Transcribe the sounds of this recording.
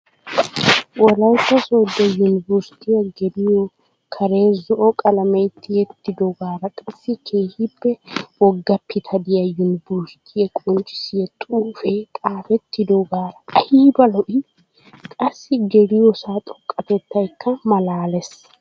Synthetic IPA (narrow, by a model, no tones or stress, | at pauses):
wɔlɐwt̪ːɐsɔːd̪ːɛjʊnɪbʊɾst̪ɪjɐɡɛd̪ɪjɔ | kʰɐɾe̞ːzɔʔɔkʼɐlɐmɛjt̪ʰːɪjɛt̪ːɪd̪ɔɡaːɾɐkʼɐsːɪkʰeːhɪbːɛwɔɡːɐpːɪt̪ʰɐd̪ɪjɐjʊnɪbʊɾst̪ʰɪjɐkʼʊnt͡ʃːɪ̥sɪjɛt̪ʼuːfɛt̪ʼaːfɛt̪ːɪd̪ɔɡaːɾɐɐhiːbɐlɔʔɪ | kʼɐsːɪɡɛlɪjɔsaːt̪ʼɔkʼːɐt̪ɛt̪ːɐjkʰːɐmɐlaːlɛs